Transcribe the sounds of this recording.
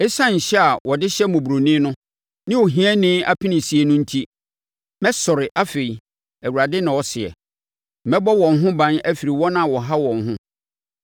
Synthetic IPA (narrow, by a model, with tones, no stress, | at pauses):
ɛ˦sã˦ɲ̩˨ɕɛ˦a˨wɔ˨dɪ˦ɕɛ˦mʊ̃˨bu˨ɾo˨nɪ̃˦nʊ̃˦ | nɪ̃˦wo˨ɦĩ˦ɛ˦nɪ̃˦a˦pʰi˦nɪ̃˨si˨e˨nʊ̃˦n̩˦tʰi˦ | mɛ˦sʊ˨ɾɪ˨ʔa˦fe˨i˨ | æ˨wu˨ɾa˨dɪ˦nã˨wɔ˨˦sɪ˨ɛ̰˨ | m̩˨mɛ˦bɔ˦wɔ̃˨nɦʊ̃˦bã˦nɛ˦fi˨ɾi˨wɔ̃˦nã˦˨wɔ˨ɦa˦wɔ̃˨n˨ɦʊ̃˦